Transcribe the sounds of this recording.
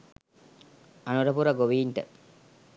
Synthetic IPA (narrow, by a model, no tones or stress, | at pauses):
anuɾɐpuɾɐɡoʋiːnʈə